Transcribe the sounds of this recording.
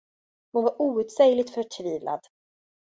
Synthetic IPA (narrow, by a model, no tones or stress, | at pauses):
mʊnvaɾʔuːʉ̟t̪sɛjlɪɡ̚t̪fœʈʰviːvlʔa̰d̪̥